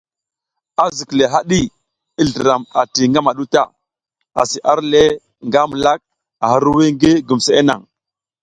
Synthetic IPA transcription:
a˦zi˨kle˨ɦa˦ɗi˦ | i˦ɮə˨ɾa˨ma˨ti˨ŋɡa˦ma˨ɗu˦ta̰˦ | a̰˨si˨ʔa˦ɾle˦ | ŋɡa˦m˨la˦k̚ | a˨hə˦ɾu˦we˦ŋɡe˦ɡu˨m˨se˨e˦na̰˨ŋ

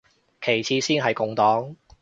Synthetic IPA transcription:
kʰe˨˩jt͡sʰiː˧siː˥nɦɐ˨jkʊ˨ŋt̪ɔː˨˥ŋ

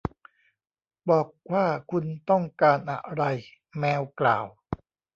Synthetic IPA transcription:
bɔː˨˩k̚waː˥˩kʰu˧nt̪ɔ˥˩ŋkaː˧nʔa̰˨˩ɾa˧j | mɛː˧wkla̰ː˨˩w

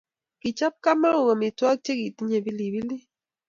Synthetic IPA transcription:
ki˨t͡ʃa˦p̚ka˦mə˦o˨ɣə˨mi˨twa˦k̚t͡ʃe˦ki˨ti˦ɲe˨bi˦li˨bi˦li˦

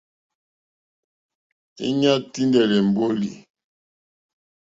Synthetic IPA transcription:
ḭ˦ɲa˦ti˦ndɛ˨lɛ˨m̩˨bo˦li˨

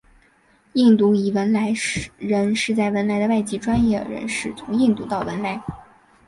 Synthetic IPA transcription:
i˥˩ŋt̪u˧˥i˨˩wə˧˥nla˧˥ɪɻə˧˥nʂɻ̩˥˧t͡sa˥˩ɪwə˧˥nla˧˥ɪd̪ə˧wa˥˩ɪt͡ɕi˥ʈ͡ʂwa˥njɛ˥˩d̪ə̰˩ɻə̰˧˥nʂɻ̩˥˩t͡sʰʊ˧˥ŋi˥˧ŋt̪u˥˧˥t̪ɑ˥˩ʊwə˧˥nla˧˥ɪ

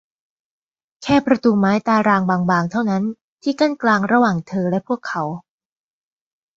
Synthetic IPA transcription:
kʰɛː˥˩pɾa˧t̪uː˧maː˦˥jt̪aː˧ɾaː˧ŋbaː˧ŋbaː˧ŋt̪ʰa˥˩wna˦˥n | t̪ʰiː˥˩kaː˥˩nklaː˧ŋɾa˧waː˨˩ŋt̪ʰɤː˧lɛ˦˥pʰu˥˩əkʰːa˩˦˥w

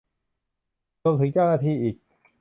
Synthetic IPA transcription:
ɾo˧mt̪ʰɯ˩˦ŋt͡ɕa˥˩wnaː˧t̪ʰiː˧ʔiː˨˩k̚

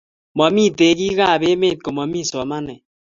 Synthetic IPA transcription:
mɔ˨mi˦te˨˦ki˦ka˦˨be˦me˦˨t̚ko˨mɔ˨mi˦˨sɔ˨ma˦nɛ˨

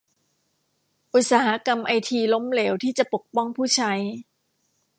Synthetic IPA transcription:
ʔu˨˩t̪̚saː˩˦ɦa˩˦˥ka˧mʔa˧jt̪ʰiː˧lo˦˥mleː˩˦wt̪ʰiː˥˩t͡ɕa˨˩po˨˩k̚pɔ˥˩ŋpʰuː˥˩t͡ɕʰa˦˥j

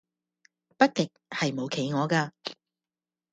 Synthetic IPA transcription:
pɐ˥t̚kɪ˨k̚hɐ˨jmo˨˧wkʰe˨˥˦jŋɔː˨˧kaː˧

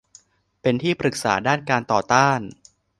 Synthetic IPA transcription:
pe˧nt̪ʰiː˥˩pɾɯ˨˩k̚sa̰ː˩˦daː˥˩nkaː˧nt̪ɔː˨˩t̪aː˥˩n

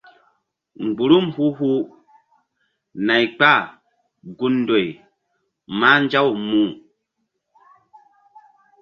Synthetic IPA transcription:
ŋ͡mɡ͡bu˨ɾu˦mhu˦hu˦ | na˨jk͡pa˦˨ | ɡu˦ndo˨j | ma˦n˦d͡ʒa˦wmu˦˨

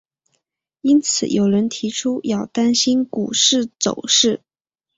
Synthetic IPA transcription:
i˥nt͡sʰɹ̩̰˨˩jo˨˩ʊɻə˧˥nt̪ʰi˧˥ʈ͡ʂʰu˥jɑ˥˩ʊt̪a˥nɕi˥nku˨˩ʂɻ̩˥˩t͡so̰˨˩ʊʂɻ̩˥˩

